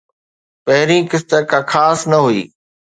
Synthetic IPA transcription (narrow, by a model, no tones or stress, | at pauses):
pɐɦɪɾĩːkɪst̪əkʰãːkʰaːsnɐɦuiː